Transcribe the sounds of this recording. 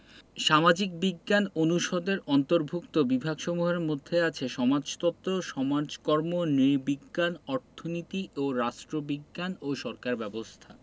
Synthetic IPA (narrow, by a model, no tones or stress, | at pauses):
ʃamad͡ʑikbiɡːanonuʃod̪eɾɔnt̪oɾbʱukt̪obibʱaɡʃɔmuɦeɾmod̪ʱːeat͡ɕʰeʃɔmad͡ʑt̪ɔt̪ːɾoʃɔmad͡ʑkɔɾmonɾibiɡːanɔɾt̪ʰonit̪iʔoɾaʃʈɾobiɡːanoʃɔɾkaɾbɛbost̪ʰa